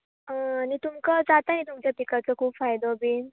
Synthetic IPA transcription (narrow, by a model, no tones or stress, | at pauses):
ənit̪umkəd͡zat̪anit̪̬umt͡ɕjapikat͡səkʰuːbfajd̪obiːn